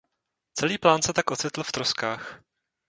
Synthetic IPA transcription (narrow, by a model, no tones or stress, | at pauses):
t͡sɛliːplaːnsɛt̪akʔo̞t͡sɪt̪l̩ft̪ɾoskaːx